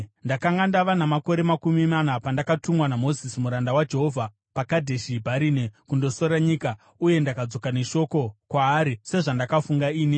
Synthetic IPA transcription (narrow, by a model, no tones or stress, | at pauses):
ndakaŋɡandaʋanamako̞ɾe̞makumimanapandakatumwanamo̞zisimuɾandawad͡ʒe̞ɦo̞vʱa | pakadʱe̞ʃibʱaɾiːnekundo̞so̞ɾaɲiːka | uje̞ndakad͡zo̞kane̞ʃo̞ko̞kwaːɾise̞ʐandakafuŋɡaiːni